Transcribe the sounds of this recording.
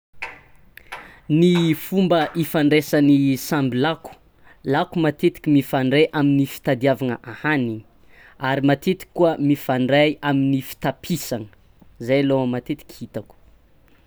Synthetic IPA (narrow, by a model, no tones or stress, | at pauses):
nifumbəʔifaɳɖ͡ʐesanisambilaku̥ | lakumat̪et̪i̥kʲimifaɳɖ͡ʐeʔaminifi̥t̪ad̪iavanəʔahani | aɾimat̪et̪i̥kːuəmifaɳɖ͡ʐajaminifi̥t̪apʰisaŋə̥ə | zajlomat̪et̪i̥kʲhit̪aku̥